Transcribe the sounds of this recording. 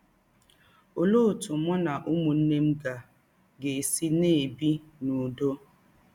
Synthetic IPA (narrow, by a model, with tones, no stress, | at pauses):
o˨lo˦˨tu˨mɔ˦na˨ʔu˦mu˨n̩˦ne˦m̩˦ɡa˨ | ɡe˨si˦ne˦˨bi˦nu˨do˦